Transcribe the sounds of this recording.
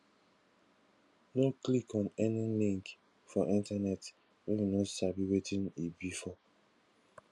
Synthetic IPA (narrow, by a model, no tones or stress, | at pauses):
noklikɔ̃nɛnilĩŋk | fɔʔĩntanɛt | wɛ̃nwinɔsabiwetĩnibifɔ